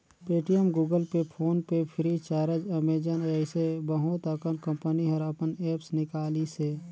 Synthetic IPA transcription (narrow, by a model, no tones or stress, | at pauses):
peːʈijəmɡuːɡəlpepʰoːnpepʰɪɾit͡ʃaːɾəd͡ʒəmeːd͡ʒənɛɪsebəɦʊt̪əkənkə̃mpəniɦəɾɐpənɛːpsnɪkaːliseː